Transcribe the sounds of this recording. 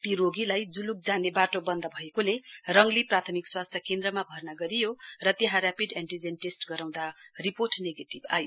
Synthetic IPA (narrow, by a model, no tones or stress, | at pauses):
t̪iɾoɡilajd͡zuluk̚d͡zanebaʈobʌnd̪ʌbʱʌekolerʌŋliprat̪ʰʌmikswast̪ʰjʌkend̪rʌmabʱʌrnaɡʌɾijorʌt̪eɦãrjapid̪aɳʈid͡zenʈesʈɡʌɾaw̃d̪ariporʈneɡeʈiba̰jo